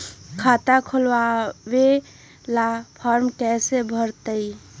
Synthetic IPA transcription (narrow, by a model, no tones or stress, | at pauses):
kʰat̪akʰolwabe | lapʰɔɾmkɛsebʱəɾt̪əj